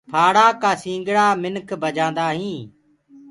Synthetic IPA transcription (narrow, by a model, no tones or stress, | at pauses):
pʰaːɽaːkaːsĩːŋɡɽaːmɪnkʰbəd͡ʒãːnd̪aːɦĩː